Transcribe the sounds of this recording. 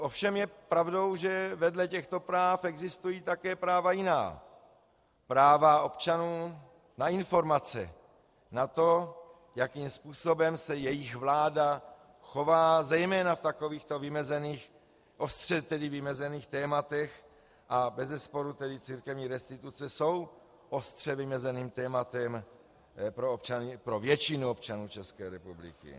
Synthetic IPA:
ʔo̞fʃɛmjɛpɾavdo̞wʒɛvɛdlɛcɛxt̪o̞pɾaːfɛɡzɪst̪ujiːt̪akɛːpɾaːvajɪna̰ː | pɾaːvao̞pt͡ʃanuː | naɪnfo̞ɾmat͡sɛ̰ | nat̪o̞ | jakiːmspuːso̞bɛmsɛjɛjɪxvlaːda | xo̞vaːzɛjmɛːnaft̪ako̞viːxt̪ovɪmɛzɛniːx | ʔost̪r̥ɛt̪ɛdɪvɪmɛzɛniːxt̪ɛːmat̪ɛx | ʔabɛzɛspo̞ɾut̪ɛdɪt͡siːɾkɛvɲiːɾɛst̪ɪt̪ut͡sɛso̞w | ʔost̪r̝̥ɛvɪmɛzɛniːmt̪ɛːmat̪ɛm | pɾoopt͡ʃanɪpɾovjɛt͡ʃɪnuop̚t͡ʃanuːt͡ʃɛskɛːɾɛpublɪ̰kɪ̰

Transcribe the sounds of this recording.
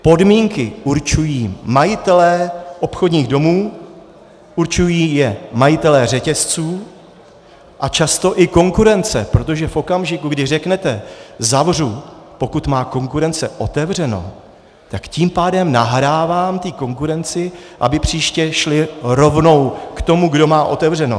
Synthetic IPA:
po̞dmiːŋkɪʔuɾt͡ʃujiːmajɪt̪ɛlɛʔo̞pxodɲiːɣdo̞muː | ʔuɾt͡ʃujiːjɛmajɪt̪ɛlɛr̝ɛcɛst͡suː | ʔat͡ʃast̪o̞ʔɪko̞ŋkuɾɛnt͡sɛpɾo̞t̪o̞ʒɛfʔo̞kamʒɪkuɡdɪrɛknɛt̪ɛzavr̝upo̞kut̪maːko̞ŋkuɾɛnt͡sɛʔo̞t̪ɛvr̝ɛno̞̰ | t̪akciːmpaːdɛmnaɦɾaːvaːmt̪iːko̞ŋkuɾɛnt͡sɪ | ʔa̰bɪpr̝̥iːʃcɛʃlɪɾo̞vno̞wkt̪o̞muɡdo̞maːʔo̞t̪ɛvr̝ɛno̰

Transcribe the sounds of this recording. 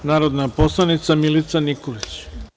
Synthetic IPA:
naːɾod̪napo̞slˠanit̪samilit̪sanikolit͡ɕ

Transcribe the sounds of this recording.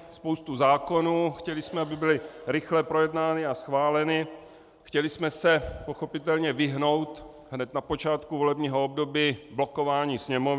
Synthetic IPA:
spowst̪uzaːko̞nuːxcɛlɪsmɛabɪbɪlɪɾɪxlɛpɾojɛdnaːnɪasxvaːlɛnɪ | xcɛlɪsmɛsɛpo̞xo̞pɪt̪ɛlɲɛvɪɦno̞wt̪ | ɦnɛt̪napo̞t͡ʃaːt̪kuvolɛbɲiːɦoobdo̞biːblokovaːɲiːsɲɛmov

